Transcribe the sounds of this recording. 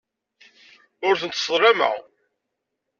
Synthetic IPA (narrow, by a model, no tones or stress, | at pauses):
ʊɾθənt̪ːsˤɾˤɑmə̰ʁ